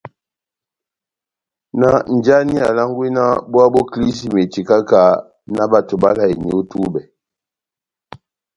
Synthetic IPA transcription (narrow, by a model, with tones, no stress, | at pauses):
na˦n̩˨d͡ʒa˦ni˦a̰˨la˦ŋ˦ɡwi˦na˦bu˦a˦bɔ˦kli˦s̬i˦me˨ti˨ka˦ka˨˦ | na˦ba˦˨tu˨ba˦la˦˨i˨ɲi˨˦tu˦bɛ˨